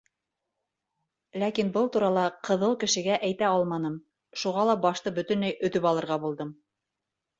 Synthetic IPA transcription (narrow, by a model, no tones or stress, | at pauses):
lækinbɤlˠt̪uɾɑlˠɑqɤ̆ðɤlˠkɘ̆ʃɘ̆ɡæʔæjt̪æɑlˠmɑnɤm | ʃuʁɑlˠɑbɑʃt̪ɤbɵ̆t̪ɵ̆nlæjɵ̆t̪ɵpɑlˠɤ̆ɾʁɑbulˠd̪ɤm